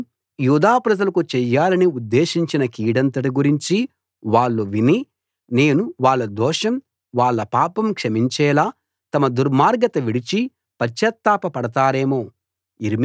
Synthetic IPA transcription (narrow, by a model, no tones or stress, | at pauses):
juːd̪aːpɾɐd͡ʒɐlɐkut͡ʃɛjːaːlɐniud̪ːeːʃiɲt͡ʃinɐkiːɽɐnt̪̬ɐʈiɡuɾiɲt͡ʃi | ʋaːɭːuʋini | ne̞ːnuʋaːɭːɐd̪ɔːʃɐm | ʋaːɭːɐpaːpɐmkʂɐmiɲt͡ʃɛːlaː | t̪ɐmɐd̪uɾmaːɾɡɐt̪ɐʋiɽit͡ʃi | pɐt͡ʃːjɐt̪ːaːpɐpɐɽɐt̪aːɾe̞ːmoː | iɾim